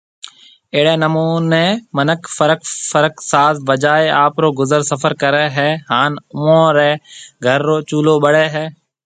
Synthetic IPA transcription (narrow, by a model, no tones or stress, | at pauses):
eːɽeːnəmuːneːmənəkfəɾəkfəɾəksaːzʋəd͡ʒaːeaːpɾoːɡʊzəɾsəfəɾkəɾeːɦɛːɦaːnʊõːɾeːɡʱəɾːoːt͡ʃuːloːɓəɽeːɦɛː